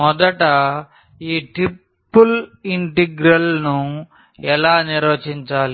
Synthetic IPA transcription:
mɔd̪ɐʈɐ | iːʈɾipːuliɳʈiɡɾɐlnu | ɛlaːniɾʋɐːt͡ʃiɲt͡ʃaːli

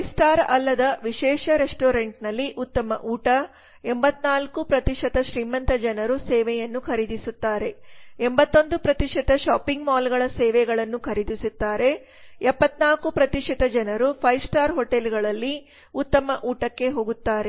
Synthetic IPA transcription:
pjsʈaːɾɐlːɐd̪ɐʋiʃɛːʂɐɾesʈoːɾeɳʈnɐlːiʔut̪ːɐmɐ̰ʔuːʈɐ | embɐt̪naːlkupɾɐt̪iʂɐt̪ɐʃɾiːmɐnt̪ɐd͡ʒɐnɐɾusɛːʋɛjɐnːukʰɐɾid̪isut̪ːaːɾe̞embɐt̪ːo̞nd̪upɾɐt̪iʂit̪ɐʃaːpiŋɡmaːlɡɐɭɐsɛːʋɛɡɐɭɐnːukʰɐɾid̪isut̪ːaːɾe̞ | ɛpːɐt̪naːlkupɾɐt̪iʂit̪ɐd͡ʒɐnɐɾupʰɐjsʈaːɾɦoʈelɡɐɭɐlːi | ut̪ːɐmɐʔuːʈɐkːe̞ɦoːɡut̪ːaːɾe

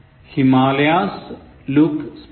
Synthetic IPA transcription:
himaːljaːs | luks

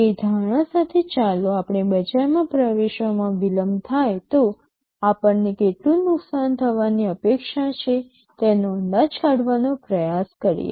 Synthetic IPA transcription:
ed̪ʱaɽ̃ãsat̪ʰet͡ʃaloapɳ̃ebəd͡ʒaɾmãpɾəʋeʃʋəmãʋiləmt̪ʰajt̪o | apəɳnekeʈlũnʊksant̪ʰəʋaniəpekʃat͡ʃʰe | t̪enoənd̪at͡ʃʰaɽʋanopɾəjaskəɾḭjḛ

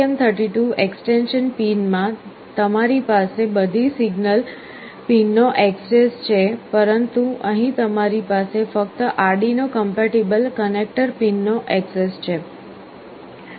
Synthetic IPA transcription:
emt̪ʰəɾʈiʈuʔeksʈenʃənpinmã | t̪əmaɾipasebəd̪ʱisiɡnəl | pinːoʔeksest͡ʃʰepəɾənt̪uəɦĩt̪əmaɾipasefəkt̪əʔaɾɖinokəmpaʈibəlkənek̚ʈəɾpinːoʔeksest͡ʃʰe

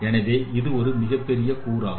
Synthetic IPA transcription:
ɛnɐʋeːʔɪðɯɔɾɯmɪɣɐpːɛɾɪjɐkuːɾaː

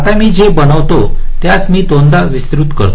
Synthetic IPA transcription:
at̪amiːd͡ʑebəɽəʋt̪ot̪jat͡smiːd̪õnd̪ʱaʋist̪ɾut̪kə̰ɾt̪

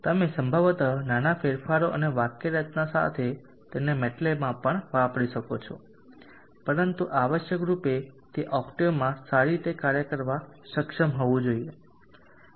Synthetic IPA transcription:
t̪əmesəmbʱəʋt̪ananafeɾfaɾoʔəneʋakːeɾət̪nasa̰t̪ʰe | t̪enemɛʈlemãpəɳʋapəɽiʃəkot͡ʃʰo̰ | pəɾənt̪uʔaʋəʃjəkɾupet̪eʔɔkʈimãsaɾit̪ekaɾjəkəɾʋaʃəkʃəmɦoʋũd͡ʒoie

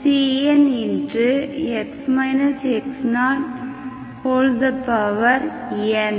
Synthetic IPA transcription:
siːɛnɪndrɯɛksmaɪnɐseksnaːʈ | hoːld̪ɐpɐʋɐɾ | ɛn

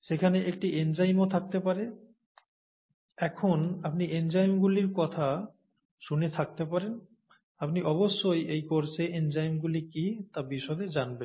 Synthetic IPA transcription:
ʃekʰaneʔek̚ʈiʔend͡ʑajmot̪ʰak̚t̪epaɾe | ɛkʰonap̚niend͡ʑajmɡuliɾkɔt̪ʰa | ʃunet̪ʰak̚t̪epaɾen | apniʔɔβoʃːojejkoɾt͡ɕʰeʔend͡ʑajmɡulikit̪abiʃɔd̪ed͡ʑanben

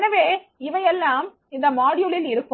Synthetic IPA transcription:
nɐʋeːɪʋɐjɛlːaːm | ɪnd̪ɐmaːɽɪjʊlɪlɪɾɯkːɯ

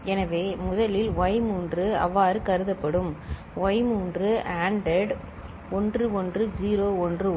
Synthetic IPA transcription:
ɛnɐʋeːmʊðɐlɪlʋɐɪmuːndrɯɐ̰ʋːaːɾɯkɐɾɯðɐpːɐɽɯm | ʋɐɪmuːndrɯaːɳɖɛɖ | ɔndrɯɔndrɯd͡ʒiːɾoːɔndrɯ

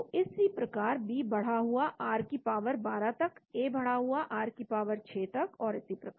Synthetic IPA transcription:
oɪsipɾɐkaːɾbʱibɐɽ̤aɦuaʔaːɾkipaːʋəɾbaːɾat̪ɐkeːbɐɽ̤aɦuaʔaːɾkipaːʋəɾt͡ʃʰeːt̪ɐkɔːɾɪsipɾɐkaɾ

